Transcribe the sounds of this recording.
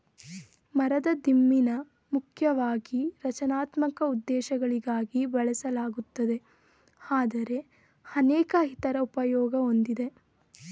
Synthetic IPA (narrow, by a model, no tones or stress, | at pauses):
mɐɾɐd̪ɐd̪imːinɐ | mukʰjɐʋaːɡiɾɐt͡ʃɐnaːt̪mɐkɐud̪ːɛːʃɐɡɐɭiɡaːɡibɐɭɐsɐlaːɡut̪ːɐd̪e̞ | aːd̪ɐɾe̞ | ɐnɛːkɐɦit̪ɐɾɐupɐjɔːɡɐo̞nd̪id̪e̞